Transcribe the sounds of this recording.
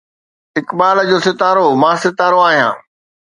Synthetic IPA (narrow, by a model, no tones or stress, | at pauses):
ɪkbaːld͡ʑoːsɪt̪aːɾomãːsɪt̪aːɾoaːɦijã̰ː